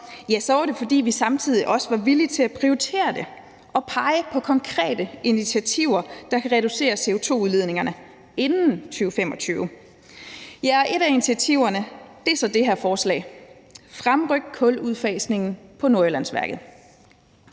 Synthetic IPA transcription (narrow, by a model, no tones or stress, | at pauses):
jæsɒʋɐɾe̝fɒ̽d̥ḭːʋisɑ̈mt͡sʰið̞̰ˠiʔɒ̽səʋɑ̈ʋilit͡sʰe̝læpʰʁioit͡sʰe̝̰ːɐd̥e̝ | ʔɒ̽pʰɑ̈ɪəpʰɒ̽kʰɒ̽ŋkʰʁɛ̰ːd̥əinit͡sʰiæt͡sʰiʊɐd̥ɑ̈kʰæʁɛɾuse̝̰ːɐse̝o̝t͡sʰo̝̰ːuðˠle̝ð̞ˠne̝ŋɐnə | e̝nn̩t͡sʰyːʊfem̰ɒ̽t͡sʰyːʊ | jæɐʔe̝ɾæinit͡sʰiæt͡sʰiʊ̰ɐnəd̥e̝sɒ̽d̥e̝ɦæɐfɒːslɛ̰ːɪfʁamʁœɡ̥kʰɔ̽luðˠfɛːsne̝ŋn̩pʰɒ̽noɐelænsʋæɐɡ̥ð̩ˠ